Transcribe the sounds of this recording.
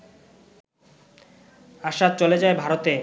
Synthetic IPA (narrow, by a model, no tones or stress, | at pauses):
aʃat͡ɕoled͡ʑaebʱaɾot̪e